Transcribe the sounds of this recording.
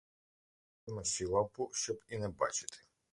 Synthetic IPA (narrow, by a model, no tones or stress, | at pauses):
mɛʃilˠapuʃəpinɛba̰t͡ʃi̥t̪ʰi̥